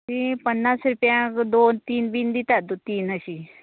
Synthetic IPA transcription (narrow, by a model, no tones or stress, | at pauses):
ipənːasɾupjãkd̪ont̪iːnbind̪it̪ad̪ut̪iːnəɕi